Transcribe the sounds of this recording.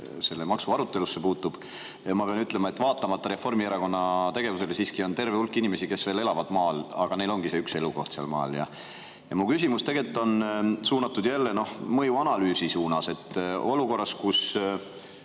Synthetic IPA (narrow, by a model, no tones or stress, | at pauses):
se̞lːemɑksuɑɾut̪ːˑe̞lusːe̞puːt̪ːˑub̥ | mɑpe̞ɑnyt̪ːˑle̞mɑe̞t̪ːvɑːt̪ːˑɑmɑt̪ːˑɑɾe̞fo̞rmieɾɑko̞nːɑt̪e̞ɡ̥e̞vuse̞lsiːskio̞nt̪e̞rveulkːˑinime̞sike̞sve̞ːle̞lɑvɑd̪mɑːlɑɡ̥ɑne̞jlo̞ŋɡ̥ise̞ykse̞luko̞̰ht̪seɑ̰lmɑ̰ːljɑ̰ | jɑmukys̬ʲimust̪e̞ɡe̞lt̪ːˑo̞nsuːnɑt̪ːˑud̪̥jælːe̞no̞hmɤjuɑnɑlyːsisuːnɑse̞t̪ːˑo̞luko̞rːɑskus